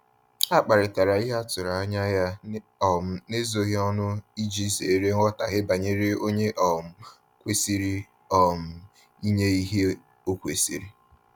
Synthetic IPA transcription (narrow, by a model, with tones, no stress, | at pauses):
a˦k͡pa˨ɾɪ˨ta˨ɾa˨i˦ɦa˦tʊ˨ɾa˨a˦ɲa˦ja˦ | ɔ˨m̩˦ne˦zo˨ɣɪ˦ɔ˦nʊ˦i˦d͡ʒi˦ze˨˦ɾe˦ŋ̩˦ɔ˦ta̰˨ɦɪ˦ba˨ɲe˦ɾe˦o˦ɲe˦ʔɔ˨m̩˦ | kʷe˦si˦ɾi˦ | ɔ˨m̩˦ | i˦ɲe˦i˦ɦe˦ | o˦kʷe˨sḭ˨ɾi˦